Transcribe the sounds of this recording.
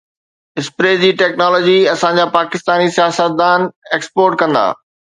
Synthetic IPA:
ɪspɾeːd͡ʑiːʈeːknɔːlɔːd͡ʑiɐsãd͡ʑaːpaːkɪst̪aːnisijaːsət̪̚d̪aːneːkspoːɾʈkɐ̃nd̪a̰ː

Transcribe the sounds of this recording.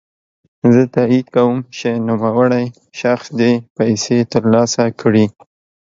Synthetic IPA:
zət̪aid̪kawəmt͡ʃenumawəɽaj | ʃaxsd̪epajset̪əɾlɑsakʰɽi

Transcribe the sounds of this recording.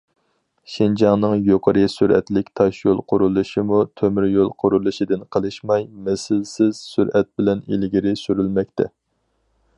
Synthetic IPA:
ʃind͡ʒɑŋnɨŋjoqʰəɾɨsyɾɛ̰t̪lɪkʲt̪ʰɑʃjolˠqʰʊɾulˠɨʃimut̪ʰømyɾjolˠqʰʊɾulˠɨʃid̪ɨnqʰəlˠɨʃmɑjmɛsɪlsɪz̥syɾɛt̪̚bɪlɛnilɡʲiɾɪsyɾylmɛk̚ʲt̪ʰɛ

